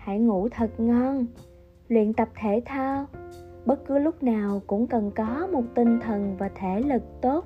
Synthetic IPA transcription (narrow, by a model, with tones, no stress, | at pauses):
ha̰˧˩˨jŋṵ˧˩t̪ʰə˨˩t̚ŋɔ˧n | lwḭ˧˨ənt̪ə˨˩p̚t̪ʰe˧˩t̪ʰaː˧wɓə˦˥t̚kɨ˨˦lʊ˦˥k͡p̚naː˨˩wkʊ̰˧˥ŋ͡mkə˨˩nkɔ˨˦mo˨˩t̚t̪ï˧˩ŋt̪ʰə˨˩nvaː˨˩t̪ʰe˧˩lɨ˨˩k̚t̪o˦˥t̚